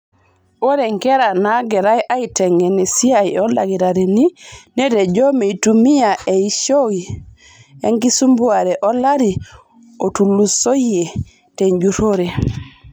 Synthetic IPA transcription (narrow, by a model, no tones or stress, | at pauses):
woɾɛŋkɛɾanaɡɛɾajʔaitɛŋɛnɛsiajɔlaɡiɾaɾininɛdɛd͡ʒomiitumijaɛiʃowi | ḛŋkisumbuaɾɛʔɔlaɾi | otulːusoe | teɲɟuɾoɾɛ